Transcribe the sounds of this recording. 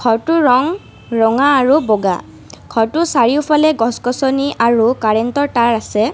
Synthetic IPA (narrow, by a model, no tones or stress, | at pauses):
kʰɔɹtʊɹɔŋ | ɹɔŋaːɹubɔɡa̰ | kʰɔɹtʊsaɹiʊpʰalɛɡɔskɔsɔniʔaɹukaɹɛntɔɹtaɹasɛ